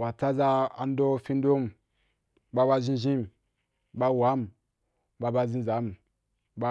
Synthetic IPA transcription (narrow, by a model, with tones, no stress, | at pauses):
wa˨t͡sa˦za˦a̰˨n˦do˦fi˦n˦do˦m̩˨ | ba˦ba˦ʒĩ˦ʒĩ˦m˨ | ba˦wa˨˦m̩˨ | ba˦ba˦zĩ˦za˨˦m˨ | ba˦